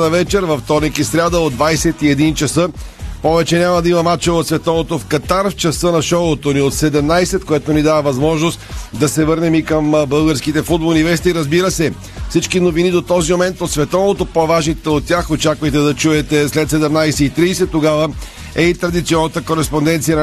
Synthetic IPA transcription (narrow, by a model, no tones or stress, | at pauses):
nɐvɛt͡ʃɛɾvɐft̪ɔɾnikisɾʲad̪əod̪vajsɛt̪iɛd̪int͡ʃɐsɤpɔvɛt͡ʃɛnʲamɐd̪ɐimɐmat͡ʃɛot̪svɛt̪ɔvot̪ofkɐt̪aɾft͡ʃɐsɤnɐʃɔot̪oniot̪sɛd̪ɛmnajsɛt̪̚koɛt̪onid̪avɐvɐzmɔʒnost̪d̪ɐsɛvɤɾnɛmikəmbɤlˠɡəɾskit̪ɛfud̪̚bolˠnivɛs̬t̪iɾɐzbiɾəsɛ | fsit͡ʃkinovinid̪ot̪ɔzimomɛnt̪ot̪svɛt̪ɔvot̪opovaʒnit̪ɛot̪ːʲaxot͡ʃakvɐjt̪ɛd̪ɐt͡ʃuɛt̪ɛslɛt̪sɛd̪ɛmnajsɛit̪ɾiːsɛt̪ːoɡavə | ɛit̪ɾɐd̪it̪siɔnːɐt̪əkoɾɛspond̪ɛnt̪sijə